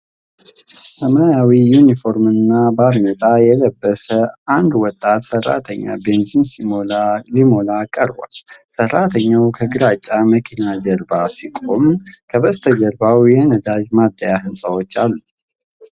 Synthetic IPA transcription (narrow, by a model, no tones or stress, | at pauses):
səmajawijunifo̞ɾmɨnːabaɾnət̪ʼajɛləbːəsəand̪wɔt̪ʼːat̪sərːa̰t̪ʰəɲːa̰benzins | limo̞lakʼəɾba̰lsərːat̪ʰəɲːawkʰəɡɨɾat͡ʃʼːaməkʰinad͡ʒəɾbasikʼo̞mkʰəβəst̪ʰəd͡ʒəɾbawjɛnəd̪ad͡ʒmad̪ːəjahɨnsʼəwot͡ʃːalːu